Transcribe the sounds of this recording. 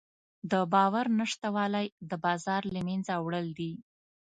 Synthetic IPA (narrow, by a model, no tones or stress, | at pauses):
d̪əbɑwaɾnaʂt̪awɑlajd̪əbɑzɑɾlamend͡zawɽəld̪i